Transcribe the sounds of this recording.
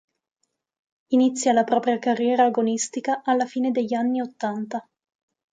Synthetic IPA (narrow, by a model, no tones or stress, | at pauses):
init̪sːjalapɾɔːpɾjakarːjɛːɾaːɡonist̪ikaʔalːafiːned̪eʎːanːiot̪ːant̪a